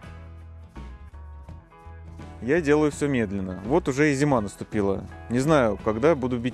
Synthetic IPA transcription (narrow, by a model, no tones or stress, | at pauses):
jadʲe̞lˠəjʊfsʲɵmʲe̞d̪lʲɪnːəvo̞t̪ʊʐɛɪzʲɪmanəst̪ʊpʲilˠə̰nʲɪznajʊkɐɡd̪abud̪ʊbʲi